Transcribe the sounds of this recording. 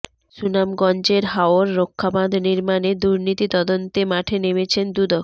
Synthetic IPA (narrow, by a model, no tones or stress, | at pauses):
sunamɡɔnd͡ʑeɾɦaooɾːokʰːabad̪ʱniɾmaned̪uɾnit̪it̪ɔd̪ont̪emaʈʰenemet͡ɕʰend̪ud̪ok